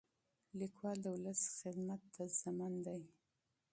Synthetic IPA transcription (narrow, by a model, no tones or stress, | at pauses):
likwɑld̪əwʊləsxɪd̪mat̪ːazamɑnd̪aj